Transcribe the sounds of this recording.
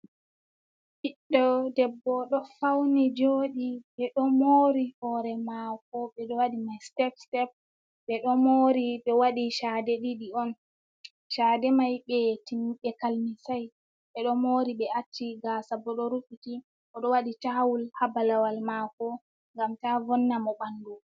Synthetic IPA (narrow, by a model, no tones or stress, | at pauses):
hiɗːɔdɛbːɔɗɔfawnid͡ʒoːɗiɓɛɗɔmoːɾihɔɾɛmakɔɓɛɗɔwaɗimajstɛfstɛp̚ | ɓɛɗɔmoɾiɗɔwaɗiʃadɛɗiɗiɔn | ʃaːdɛmajɓɛtiɓɛkalmisaj | ɓɛɗɔmoɾiɓɛatːiɡaːsabɔɗɔɾufiti | ʔɔɗɔwaɗitawulhabalawalmakɔ | ŋɡamtavɔnːamɔɓandu